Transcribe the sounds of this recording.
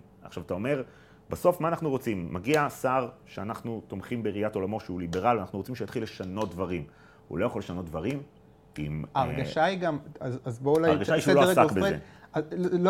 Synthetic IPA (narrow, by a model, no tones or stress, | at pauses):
a̰χʃavat̪ao̞me̞ʁ | baso̞fmaːnaχnuʁo̞t͡simːaɡiasaʁʃeanaχnut̪o̞mχimbeʁijato̞lamo̞ʃeulibe̞ʁalvanaχnuʁot͡simʃejat̪χilːe̞ʃano̞t̚d̪vaʁim | hṵlo̞jaχoleʃano̞t̚d̪vaʁim | ḭmaʁɡaʃajɡamazazboulajaʁɡaʃaiʃelosakbezeḛal